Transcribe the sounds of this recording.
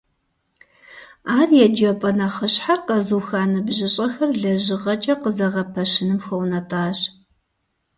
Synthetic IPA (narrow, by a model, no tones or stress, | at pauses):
aːrjɛd͡ʒɐpʼɐnɐχəɕħarqɐzuːxaːnɨbʑɪɕʼɐxɐrɮɐʑɪʁɐt͡ʃʼɐqəzɐʁɐpʰɐɕɪnɨmxɐwnɐtʼaːɕ